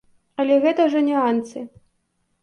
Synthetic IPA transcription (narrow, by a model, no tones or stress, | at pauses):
ɐlʲɛɣɛt̪ɐʐɐnʲɛant̪sɨ